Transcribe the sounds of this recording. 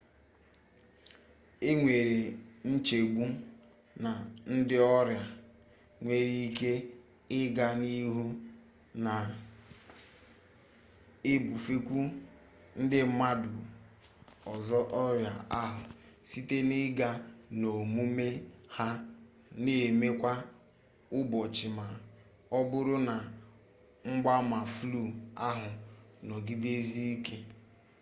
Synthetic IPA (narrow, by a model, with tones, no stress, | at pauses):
e˦ŋʷe˨ɾe˨ | n̩˦t͡ʃe˨ɡʷu˦ | na˨n̩˦dɪ˦ɔ˦ɾja˨ | ŋʷe˨ɾi˦i˦ke˦ | ɪ˦ɡa˦ni˦ɦu˦ | na˨ | e˦bu˨fe˦kʷu˦ | n̩˦dɪ˦ma˦dʊ˨ | ɔ˨zɔ˦ʔɔ˦ɾja˨a˦ɦʊ˨ | si˦te˦nɪ˦ɡa˦ | no˨mu˦me˦ | ha˦ | ne˨me˦kʷa˦ | ʊ˦bɔ˨t͡ʃɪ˨ma˨ | ɔ˦bʊ˦ɾʊ˦na˨ | ŋ͡m̩˦ɡ͡ba˦ma˨flu˦˨a˦ɦʊ˨ | nɔ˨ɡi˦de˦zi˦i˦ke˦